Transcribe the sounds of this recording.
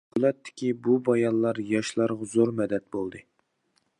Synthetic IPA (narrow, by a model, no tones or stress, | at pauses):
kʰlˠɛt̪ʰːɪ̥kʲibubɑjɑnlˠɑɾjɑʃlˠɑɾʁɑzoɾmɛd̪ɛt̪̚bolˠd̪ɨ